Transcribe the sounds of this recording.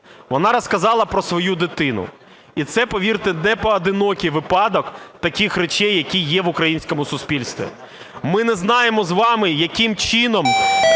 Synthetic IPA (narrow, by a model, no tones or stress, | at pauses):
ʋɔnɑɾɐskɐzɑlˠɐpɾɔsʋɔjud̪ɪt̪ɪnʊ̰ | it̪sɛpɔʋʲirt̪ɪnɛpɔɐd̪ɪnɔkʲijʋɪpɑd̪ɔkt̪ɐkʲixɾet͡ʃɛjːɐkʲijːɛʋʊkɾɐjinʲsʲkɔmʊsʊspʲilʲst̪ʋʲḭ | mɪnɛznɑjemɔzʋɑmɪjɐkʲɪmt͡ʃinɔm